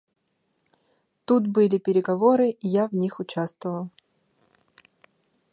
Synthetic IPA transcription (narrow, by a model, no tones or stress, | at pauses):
t̪ut̪bɨlʲɪpʲɪɾʲɪɡɐvoɾɨʔijavnʲixʊt͡ɕast̪vəvəlˠ